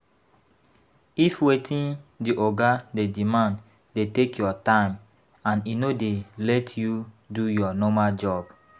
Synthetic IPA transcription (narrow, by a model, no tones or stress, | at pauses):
ifwetʰĩndiʔɔɡadedimãnd | detekjɔtãɪ̃m | ãninodelɛtʰju | dujɔnɔmald͡ʒɔb̥